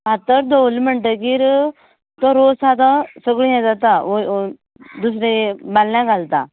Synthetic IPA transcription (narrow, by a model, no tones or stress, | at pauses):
bat̪əɾd̪olməɳʈəkiɾ | t̪ɔɾosad̪ãsəɡɭijãd͡zat̪ao | d̪us̬ɾebalnãɡalt̪a